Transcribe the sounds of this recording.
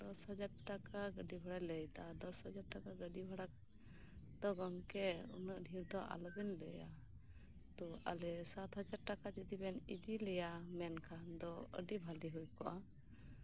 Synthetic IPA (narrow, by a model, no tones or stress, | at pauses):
d̪ɔsɦɔd͡ʒaɾʈakaɡəɖibʱɔɽajləjt̪ad̪ɔshɔd͡ʒaɾ̚ʈakaɡəɖibʱɔɽak | d̪̥ɔɡɔŋkɛṵnəʔɖʱiɾd̪ɔʔa̰lɔbɛnləja | t̪ɔa̰lɛsat̪ɦəd͡ʒaɾʈakat͡ʃid̪ibɛnid̪ilɛjamɛnkʰand̪ɔə̰ɖibʱaliɦujkɔʔa